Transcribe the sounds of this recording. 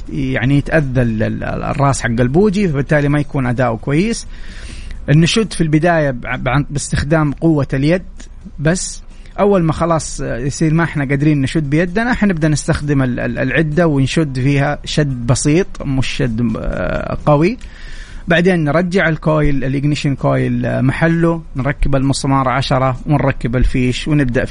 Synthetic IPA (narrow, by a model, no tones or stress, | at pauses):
jaʕnijɪt̪ʔaðːalɪ̰rˤːɑːsħaɡːalbuːd͡ʒifabɪt̪ːaːlimajakuːnʔad̪aːʔwkwajːɪs | ʔɪnːaʃʊd̪ːfilbɪd̪aːjabʕabɪst̪ɪxd̪aːmqʊwːaljad̪ | basː | ʔawːalmaxɑlɑːsˤjsˤiːɾmaʔɪħnaɡad̪ɾiːnːaʃʊd̪ːbɪjad̪ːanaʔħanɪbd̪aʔnɪst̪axd̪ɪmɪl̰lʕɪd̪ːawɪnʃʊd̪ːfiːhaʃad̪ːbɑsˤiːt̪ˤmʊʃːad̪ː | qɑwi | baʕd̪eːnːɾˤɑd͡ʒːɪʕalkoːjɪlɪlɪɡnɪʃɪnkoːjɪlmaħalːunɾˤɑkːɪbalmʊsˤmɑːɾˤʕaʃɑɾˤɑwɪnɾˤɑkːɪbalfiːʃwnɪbd̪aʔ